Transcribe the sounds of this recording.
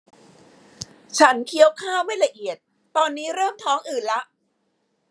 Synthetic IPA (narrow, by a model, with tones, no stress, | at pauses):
t͡ɕʰa˦˥nkʰi˦˥əwkʰaː˥˩wma˥˩jla˧ʔi˨˩ət̪̚ːɔː˧nːiː˦˥ɾɤː˥˩mt̪ʰɔː˦˥ŋʔɯː˨˩nla˦˥ʔ